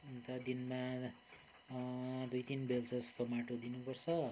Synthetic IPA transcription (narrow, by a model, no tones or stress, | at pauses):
nt̪ʌd̪inma | d̪ujt̪inbelt͡sʰʌspʰʌmaʈod̪inupʌrt͡sʰʌ